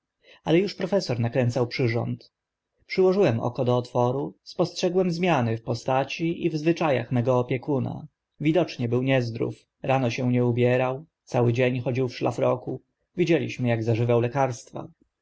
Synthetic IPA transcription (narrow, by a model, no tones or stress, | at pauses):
alɛjuʂpɾɔfɛsɔɾnakɾɛnt̪sawpʂɘʐɔ̰nt̪ | pʂɘwɔʐɘwɛmʔɔ̰kɔd̪ɔːt̪fɔɾuspɔstʂɛɡwɛmzmʲjanɘfpɔst̪at͡ɕiivzvɘt͡ʂaja̰xmɛɡɔːpʲjɛkuna̰ | vʲid̪ɔt͡ʂɲɛbɘwɲɛzd̪ɾṵf | ɾanɔɕɛw̃ɲɛubʲjɛɾawt̪sawɘd͡ʑeɲxɔd͡ʑiwfʂla̰fɾɔku | vʲid͡ʑelʲḭɕmɘjaɡzaʐɘvawlɛkaɾst̪fa̰